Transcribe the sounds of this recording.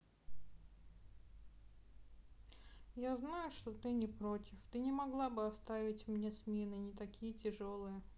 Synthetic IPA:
jaznajʊʂt̪o̞t̪ɨnʲɪpɾotʲɪft̪ɨnʲɪmɐɡlˠabɨɐst̪avʲɪtʲmnʲe̞smʲenɨnʲɪt̪ɐkʲʰijətʲɪʐolˠɨjə

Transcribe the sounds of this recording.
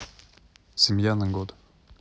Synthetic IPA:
sʲimjanəŋɡod̪

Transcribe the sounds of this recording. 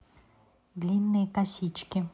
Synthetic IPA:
d̪lʲinːɨjəkɐsʲit͡ɕkʲɪ

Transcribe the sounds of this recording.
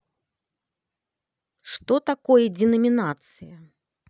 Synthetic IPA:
ʂt̪ɔt̪akɔjɐd͡zʲɛnɐmʲinat̪sɨjɐ

